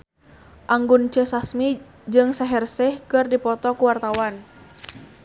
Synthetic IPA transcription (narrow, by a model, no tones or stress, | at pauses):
ʔaŋɡunt͡ʃəsasmi | d͡ʒɨŋsaɦɛrsɛhkɨrdipɔt̪ɔkuwart̪awan